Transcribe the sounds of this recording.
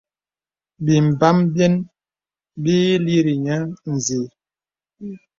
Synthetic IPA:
bi˨m̩˨ba˦mbjɛ˦n | bi˦li˦ɾi˨ɲa˦n̩˨zi˨˦

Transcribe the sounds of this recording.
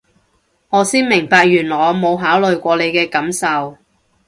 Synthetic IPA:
ŋɔː˨˧siː˥nmɪ˨˩ŋpaː˧k̚jyː˨˩nlɔː˨˩jmo˨˧wɦaː˨˥wlɵ˨˧ɥkʷɔː˧le˨˧jkɛː˧kɐ˨˥msɐ˨w

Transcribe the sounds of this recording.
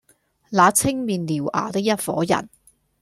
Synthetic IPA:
laː˨˧t͡sʰɪ˥ŋmiː˨nliː˨˩wʔa̰ː˨˩t̪ɪ˥k̚jɐ˥t̚fɔː˨˥jɐ̰˨˩n

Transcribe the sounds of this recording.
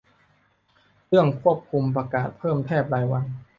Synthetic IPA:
ɾɯ˥˩əŋkʰu˥˩əp̚kʰu˧mpɾa˧kaː˨˩t̪̚pʰɤː˥˩mt̪ʰɛː˥˩p̚ɾaː˧jwa˧n

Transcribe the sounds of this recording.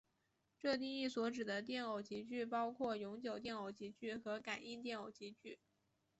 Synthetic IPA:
ʈ͡ʂɤ˥˧t̪i˥˧ŋi˥˩swɔ˧˥ʈ͡ʂɻ̩˨˩d̪ə˦t̪̬jɛ˥˩no˨˩ʊt͡ɕi˧˥t͡ɕy˥˩p̬ɑ˥ʊkʰwɔ˥˩jʊ˧˥ŋt͡ɕjo˨˩ʊt̪jɛ˥˩no˨˧˩ʊt͡ɕi˧˥t͡ɕy˥˩xɤ˧˥ka˨˩˦ni˥nt̪̬jɛ˥˩no˨˩ʊt͡ɕi˧˥t͡ɕy˥˩

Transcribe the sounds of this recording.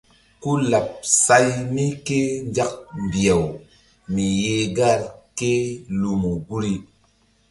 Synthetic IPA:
ku˦la˨p̚sa˦jni˦ke˦ɲd͡ʒa˦k̚mbi˨a˨w | mi˨je˨ɡa˦˨ɾke˦lu˨mu˨ɡu˦ɾi˦

